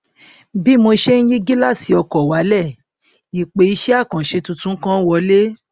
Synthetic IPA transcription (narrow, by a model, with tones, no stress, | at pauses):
bi˦mo˧ʃe˦n̩˦ji˦ɡi˦la˦˨si˨ɔ˧kɔ˨wa˨˦lɛ˦˨ | i˨k͡pe˨i˧˦ʃɛ˦a˦˨kã˨ʃe˧tũ˧tũ˨˦kã˦wɔ˧˦le˦